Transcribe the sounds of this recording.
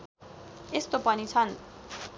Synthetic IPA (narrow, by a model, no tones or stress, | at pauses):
est̪opʌnit͡sʰʌn